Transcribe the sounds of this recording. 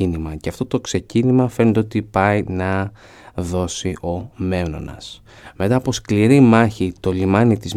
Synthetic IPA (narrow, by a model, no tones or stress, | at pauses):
inimɐceɐft̪o̞t̪o̞kse̞cinimɐfenend̪eot̪ipɐinɐ | ðo̞siʔo̞me̞no̞̰nɐ̰s | me̞t̪ɐːpo̞skliɾimɐçit̪o̞limɐnit̪iz